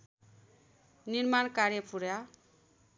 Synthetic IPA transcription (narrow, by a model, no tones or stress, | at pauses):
niɾmankaɾjʌpʰuɾja